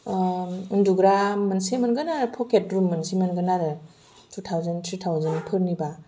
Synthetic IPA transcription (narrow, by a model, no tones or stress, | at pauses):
ɯnduɡɾamːansemɯnɡɯnaɾɯpʰɔket̚ɾumːɯnsemɐnɡɯnaɾɯ | tʰutʰawzantʰɾitʰawzɯnpʰɯɾniba